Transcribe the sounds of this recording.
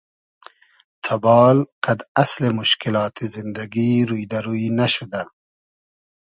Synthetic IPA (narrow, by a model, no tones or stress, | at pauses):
t̪ʰabɑːlqʰad̪aslemʊʃkɪlɑːt̪ʰizɪnd̪aɡiːɾujd̪aɾuinaʃʊd̪a